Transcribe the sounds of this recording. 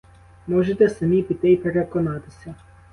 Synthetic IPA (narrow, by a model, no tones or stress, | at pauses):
mɔʒɛt̪ɛsɛmipit̪ɛjpɛɾɛkɔnat̪ɪ̥sʲa